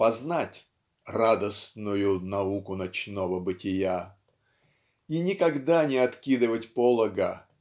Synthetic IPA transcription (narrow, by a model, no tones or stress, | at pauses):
pɐznatʲ | rad̪əsnʊjʊnɐukʊnɐt͡ɕnovəbɨtʲɪja | inʲɪkɐɡd̪anʲɪɐt̪kʲid̪ɨvətʲpolˠəɡə